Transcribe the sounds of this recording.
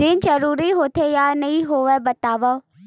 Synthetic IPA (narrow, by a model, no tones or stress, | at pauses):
ɪnd͡ʒəɾuːɾiːɦoːt̪ʰeːjaːnəĩːɦoːʋɛːbət̪aːʋa